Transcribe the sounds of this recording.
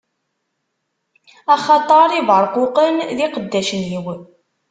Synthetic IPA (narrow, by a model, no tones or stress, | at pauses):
ɑχɑt̪ˤɑɾˤivəɾˤqʊqənðiqəd̪ːæʃəniw